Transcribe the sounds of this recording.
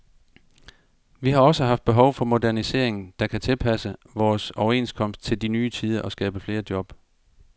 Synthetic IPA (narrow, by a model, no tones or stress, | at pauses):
ʋiɦɑ̈ɒ̽səɦɑ̈fd̥̚b̥e̝ɦɒ̽ʊfɒ̽mo̝dæɐnise̝̰ɐ̰e̝ŋn̩d̥ɑ̈kʰæt͡sʰe̝lpʰæsəʋɒːsɒʊɐe̝nskʰɒ̽m̰sd̥̚t͡sʰe̝ld̥inyːt͡sʰiːð̞ˠɐʔɒ̽sɡ̥ɛːb̥əfle̝ːɐd̥jɒ̽b̥